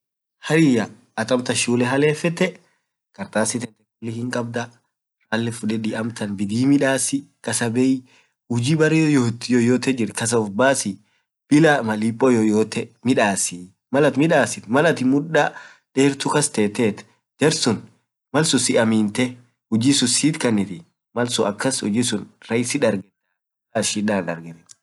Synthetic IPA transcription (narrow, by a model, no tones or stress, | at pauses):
hɐɾɪjɐː | t̪ɐmt̪ɐʃuːlɛɦɐleːfɛt̪ːɛ | kʼɐɾt̪aːsɪt̪ɛnt̪ɛkʊlːɪhɪŋkʼɐb̚d̪ɐ | ɾaːlːɛfʊᶑɛᶑɪʔɐmt̪ɐnbɪd̪iːmɪᶑaːsɪkɐsɐbɛɪ | hʊd͡ʒiːbɐrɛjɔt̪jɔjoːt̪ɛd͡ʒɪɾkɐs̬ɐʊfbaːsɪ | b̥ɪlɐmɐlipʼːɔjɔjoːt̪ɛmɪᶑaːsɪ | mɐlɐt̪mɪᶑaːsɪt̪mɐlɐt̪ɪmʊᶑa | ᶑeːɾt̪ʊkɐst̪eːt̪eːt̪ | d͡ʒɛɾsʊn | mɐlsʊsɪʔɐmiːnt̪ɛ | hʊd͡ʒiːsʊsiːt̪kɐnɪt̪ɪ | mɐlsʊɐkːɐshʊ̰d͡ʒisʊnɾɐjɪsɪᶑɐɾɡɛda | aːʃiᶑaːnᶑɐɾɡɛɾɛ